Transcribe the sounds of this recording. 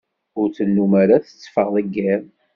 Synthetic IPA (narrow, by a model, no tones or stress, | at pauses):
ʊɾt͡sənːumaɾaθə̥t͡sːfəʁðəɡːæm